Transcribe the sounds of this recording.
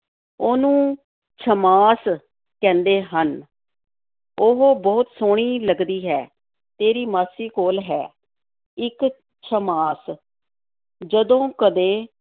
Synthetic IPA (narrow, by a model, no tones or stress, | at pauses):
oːnũː | t͡ʃʰəmaːs | kɛ̃ːnd̪eːɦən | oɦoːbɔːt̪soːɳ̃iːləɡd̪iːɦɛː | t̪eːɾiːmaːsiːkoːlɦɛː | ɪk | t͡ʃʰəmaːs | d͡ʒəd̪õːkəd̪eː